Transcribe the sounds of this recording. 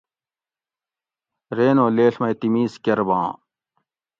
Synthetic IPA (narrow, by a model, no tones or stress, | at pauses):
ɾeːnõːleːɬmɐjt̪imiːskɐɾbã̰ː